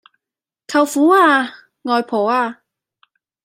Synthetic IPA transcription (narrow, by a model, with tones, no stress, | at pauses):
kʰɐ˨˩wfuː˨˥aː˧ | ŋɔː˨˧jpʰoː˨˩waː˧